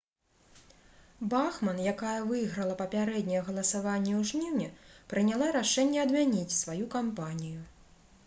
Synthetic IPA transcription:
baxmɐnjakajɐvɨjɣɾɐlˠɐpɐpʲaɾɛd̪ʲnʲɐjɐɣɐlˠɐsavanʲːɛwʐnʲiwnʲɛpɾɨnʲalˠaɾaʂɛnʲːɛɐd̪mʲanʲit͡sʲsvajukampanʲiju

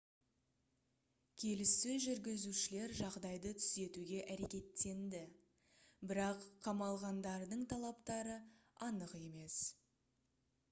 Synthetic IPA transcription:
kʲʰe̞lɪst̪ɪʒʏɾɡʲɪzuʃɪle̞ɾʒɑʁd̪ɑjd̪ət̪ʰʏ̥ze̞t̪uɡʲe̞ʔæɾe̞kʲe̞t̪ːe̞nd̪ɪ | bɪɾɑqʰːɑmɑlˠʁɑnd̪ɑɾd̪əɴt̪ʰɑlˠɑpt̪ɑɾəɑnəqe̞me̞s

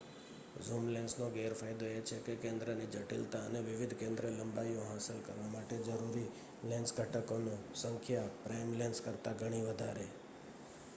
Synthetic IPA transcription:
zumlẽnsnõɡeɾfajd̪oet͡ʃʰekekẽnd̪ɾənid͡ʒəʈḭlt̪aəneʋɪʋɪd̪ʱkẽnd̪ɾələmbajõɦasəlkə̰ɾʋamaʈed͡ʒəɾuɾi | lɛ̃nsɡʱəʈəkonõsəŋkʰjapɾajmlẽnskəɾt̪aɡʱəɽ̃iʋəd̪ʱa̰ɾe

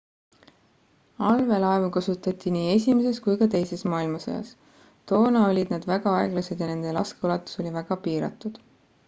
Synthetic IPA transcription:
ɑlve̞lɑevukɑsut̪ːˑɑt̪ʲːˑiniːe̞sʲimes̬e̞skujkɑt̪e̞jse̞smɑːilmɑso̰jɑ̰s | t̪o̞ːnɑo̞lʲid̪̚nɑd̪væɡ̥ɑɑe̞ɡ̥lɑsed̪̥jɑne̞nd̪̥e̞lɑ̰skeolɑt̪ːˑu̥so̞lʲivæɡ̥ɑpiːɾɑ̰t̪ːˑud̪̥

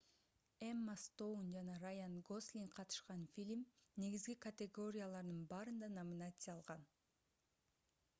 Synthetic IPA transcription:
emːast̪ownd͡ʒɑnɑɾajanɡoslʲiŋqʰɑt̪ɯ̥ʃqɑnfʲilʲmne̞ɡizɡikɐt̪ʲeɡo̞ɾʲɪjalˠɑɾd̪ɯnbɑːɾɯnd̪ɑnamʲinat̪sɨjɑlˠʁɑn

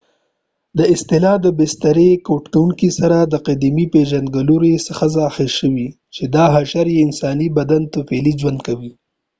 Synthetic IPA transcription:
d̪əɪst̪ɪlɑd̪əbɪst̪aɾekoʈkawuŋkisaɾad̪əqad̪imipeʒand̪ɡaluɾesəxazaxɪlʃəwi | t͡ʃed̪ɑɦaʃaɾjeɪnsɑnibad̪ant̪ʊfelid͡ʒwand̪kawi

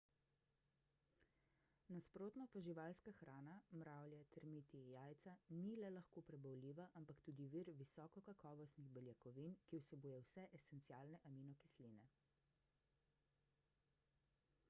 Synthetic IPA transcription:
naspɾoːt̪nɔpaʒiʋalskaxɾaːnamɾawljɛt̪ʰɛɾmit̪ijaːjt̪sanilɛlaxkoːpɾɛbɐwliːʋaʔampakt̪ud̪iʋiɾʋisɔːkɔkakɔːʋɔst̪niɣbɛljakɔʋinkiwsɛbuːjɛwsɛʔesɛnt̪siaːlnɛʔaminɔki̥slinɛ

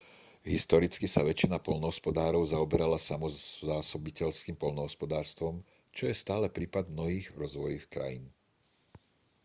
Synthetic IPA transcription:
ɦist̪ɔɾit͡skisaʋɛt͡ʃːinapɔlnɔɦɔspɔd̪aːɾɔʊzaɔbɛɾalasamɔzaːsɔbicɛʎskiːmpɔʎnɔɦɔspɔd̪aːɾst̪ʋɔm | t͡ʃɔjɛst̪aːlɛpɾiːpad̪mnɔɦiːɣɾɔzʋɔjixkɾa̰jḭn

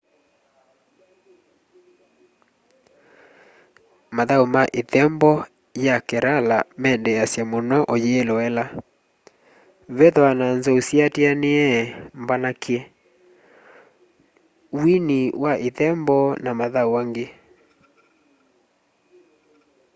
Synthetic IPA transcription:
maðaumaʔeðɛmbɔ | jakɛɾalamɛndɛasjamonɔʔɔjeːlɔɛla | βɛðɔananzɔusiateaneɛmbanakiɛ | winiwaʔeðɛmbɔnamaðauwaŋɡe

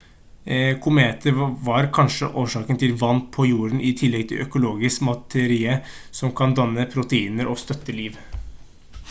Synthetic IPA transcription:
kʰʊmeːt̪ʰəɾʋɑɾkʰɑnʂə̰ʔoːʂɑːkənt̪ʰɪlʋɑnːpʰɔjuːɾənʔɪt̪ʰɪlːɛɡ̚t̪ʰɪ̰lœkʊloːɡɪskmɑt̪ʰɛɾiːə | sɔmkʰɑnd̪ɑnːəpʰɾʊt̪əiːnəɾʔɔst̪œt̪ːəliːʋ

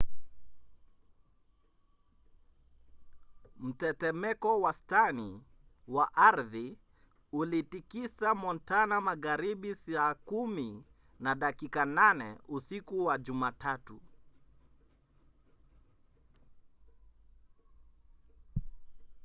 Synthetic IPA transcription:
m̩tɛtɛmɛkɔwastani | waʔaɾði | ulitikisamɔntanamaɣaɾiɓisakumi | naɗakikananɛ̰usikuwaʄumatatu

